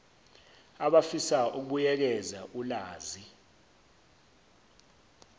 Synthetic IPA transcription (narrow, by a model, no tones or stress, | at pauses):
aɓafisaʔuk̬ujɛk̬ɛzaʔulaːzi